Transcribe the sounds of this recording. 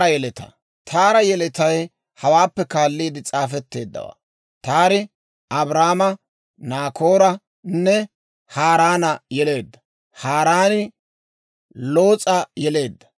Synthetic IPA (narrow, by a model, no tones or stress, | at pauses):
ɐjɛlɛt̪ɐ̰ | t̪ʰaːɾɐjɛlɛt̪ɐj | hɐwaːpːɛkaːlːiːd̪ɪt͡sʼaːfɛt̪ːe̞ːd̪ːɐ̰wa̰ː | t̪aːɾɪ | ʔɐbɾaːmɐ | naːkoːɾɐ | nːɛ | haːɾaːnɐjɛle̞ːd̪ːɐ̥ | haːɾaːnɪ | lo̞ːt͡sʼɐjɛle̞ːd̪ːɐ̥